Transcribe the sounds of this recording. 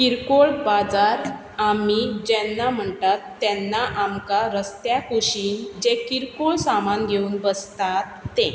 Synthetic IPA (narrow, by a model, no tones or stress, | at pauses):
kiɾkoɭbad͡zaɾ | amid͡ʑɛnːam̤əɳtat̪ːɛnːaʔamkaɾəst̪jakuɕiːnd͡ʑekiɾkoɭsamanɡʱeuːnbəst̪at̪ːɛ̃